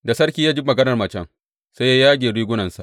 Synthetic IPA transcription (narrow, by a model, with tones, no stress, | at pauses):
da˨sɐ˦rkʲiː˦jaː˦d͡ʒi˦mɐ˨ɡɐ˦nɐ˨rmɐ˨t͡ʃɛ̰˦˨ŋ | sa˦ja˦jaː˦ɡʲeː˨ɽiː˦ɡʷʊ˦nɐ˨nsa̰˨ʔ